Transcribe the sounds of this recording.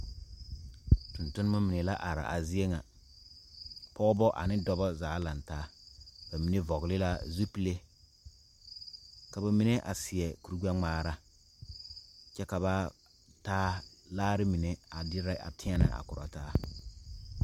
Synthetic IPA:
tʊ˨ntʊ˦nɪ˦ma˦mi˨ne˨la˦ʔa˨ɾa̰˨ʔa̰˨zɪ˦e˦ŋa˨ | pɔː˦bɔ˦ʔa̰˨nɪ˦dɔ˦bɔ˦zaː˨˦la˨ntaː˦b̥a˨mi˨ne˦vɔ˨ɣlɪ˦la˦zu˦pi˦le˦ | ka˨ba˨mi˦ne˦ʔa̰˨sɪ˨ɛ˨ku˨ɾu˦ɡ͡ba˦ŋ͡maː˦ɾa˦ | t͡ʃɛ˦ka˨βa˦ | taː˦laː˦ɾɪ˦mi˨ne˨a˨dɪ˦ɾa˦a̰˨tʰɪ̃˦a˦na̰˨ʔa̰˨kʊ˨ɾa̰˨taː˦

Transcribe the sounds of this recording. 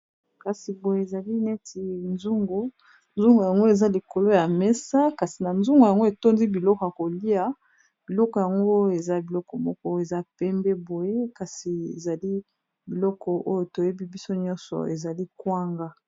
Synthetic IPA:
ka˨si˨bo˨je˨e˨za˨li˦nɛ˦tʰi˨nzu˦ŋɡo˨ | nzu˦ŋɡo˨ja˨ŋɡo˦e˨za˦li˨ko˨lo˦ja˨me˦sa˦ka˨si˨na˨nzu˦ŋɡo˨ja˨ŋɡo˦e˨to˦nzi˦bi˨lɔ˦kɔ˨a˨ko˨li˦a˨ | b̥i˨lɔ˦kɔ˨ja˨ŋɡo˦e˨za˦˨bi˨lɔ˦kɔ˨mɔ˦kɔ˦˨e˨za˦pɛ˦mbe˦bo˨je˦ka˨si˨e˨za˨li˦ | bi˨lɔ˦kʰɔ˨ʔo˦jo˨to˨je˦bi˦bi˦so˦ɲɔ̃˦nsɔ̰˨e˨za˨li˦kwa˦ŋɡa˦

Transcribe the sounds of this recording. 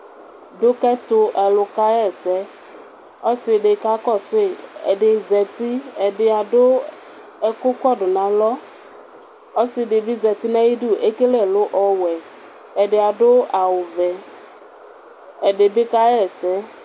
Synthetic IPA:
dʊ˦kɛ˦t̪ʊ˧ʔɛ˨lʊ˨ka˦ɛ˨sɛ˦ | ɔ˦sɪ˨ɖɪ˨ka˦kɔ˦˨sʊ˦e˨ɛ̰˨ɖɪ˨zɛ˨t̪i˦ɛ˨ɖɪ˨a˨dʊ˦ | ɛ˨kʊ˦kɔ˦˨dʊ˨nã˨lɔ˦ | ɔ˦sɪ˨ɖɪ˨bɪ˦zɛ˨t̪i˦nɛ̃˦ji˦du˦˨ʔe˦ke˦lɛ˦˨lʊ˦ʔɔ˦wɛ˨ | ɛ˨ɖɪ˨a˨dʊ˦a˨wʊ˨vɛ˨ | ɛ˨ɖɪ˨bɪ˦ka˦ɛ˦˨sɛ˦

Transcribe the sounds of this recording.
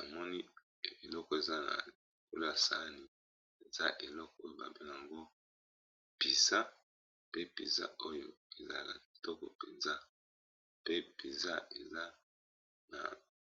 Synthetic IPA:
a˨mɔ˦ni˦˨ | e˨lɔ˦kɔ˨e˨za˦na̰˨ | i˨ko˨lo˦ja˨sa̰˨˦ni˦ | e˨za˦ʔe˨lɔ˦kɔ˦o˦jo˨ba̰˨bɛ˦na˨a˨ŋɡo˦ | pi˨sa˦ | pe˦pḭ˨sa̰˦ʔo˦jo˨e˨za̰˦a˨ka̰˨ki˨tɔ˦kɔ̰˨pɛ˨nza˦ | pe˦pi˨za˦e˨za˦ | na̰˨

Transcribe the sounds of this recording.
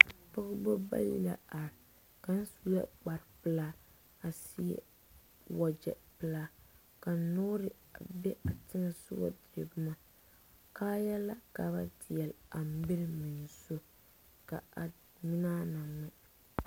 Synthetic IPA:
pɔ˦ɣbo˦ba̰˦lḭ˦˨la̰˨a˨ɾ | ka˨n̩˦su˦lɛ̰˦k͡pa˨ɾpɨ˦la˦ | a˨si˦ɛ̰˦ | wa˨d͡ʒɛ̰˨pɨ˨laː˦ | ka˨n˦no˦ɾɪ˨ | a˨bɛ˦ʔa˨tɪ˦ŋa˦sʊ̰˦ba̰˦di˨ɛ˨bɨ˦ma˦ | kaː˦ja˦la˦ka˨ba˦dɪ˨jɛ˨la˨m˦bɪ˦ɾmi˨n˨so˦ | ka˨a˨ | mi˦na˦na˨ŋɛ˦

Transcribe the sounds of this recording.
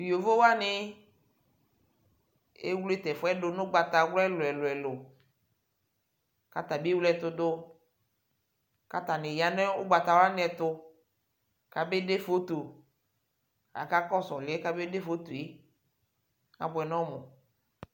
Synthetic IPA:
jo˨vo˦wa˦nɪ˦ | ḛ˦wle˦t̪ɛ˨fʊ˦ɛ˦dʊ˨nʊ̃˦ɡ͡ba˨t̪a˨wlɛ˦lʊ˨ɛ˨lʊ˨ɛ˨lʊ˨ | ka˨t̪a˨be˦wlɛ˨t̪ʊ˨dʊ˦ | ka˨t̪a˨nɪ˨ja˨ne˦ʊ˦ɡ͡ba˨t̪a˨wa˦nɪ˨˦ɛ˨t̪ʊ˦ | ka˨be˦de˦fo˦t̪o˨ | a̰˨ka˦kɔ˦sɔ˨lɪ˨ɛ˦ka˦be˦de˦fo˦t̪o˨e˦ | a̰˨bɛ˨nɔ̃˦mʊ˨

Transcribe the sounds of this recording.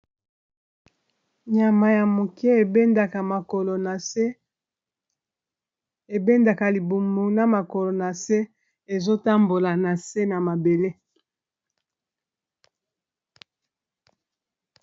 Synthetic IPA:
ɲa˨ma˨ja˨mo˨kɛ˦e˨be˦nda˨ka˨ma˨ko˨lo˨na˨e˦ | e˨be˦nda˨ka˨li˨bu˨mo˨na˦ma˨ko˨lo˨na˨se˦ | e˨zo˦ta˦mbo˨la˨na˨se˦na˨ma˨be˨le˦

